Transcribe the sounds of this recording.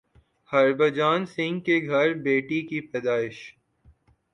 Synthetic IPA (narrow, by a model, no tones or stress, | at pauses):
hɐɾbəd͡ʒaːnsɪ̃ŋɡkeɡʱɐɾbeːʈikipɛːd̪aːɪʃ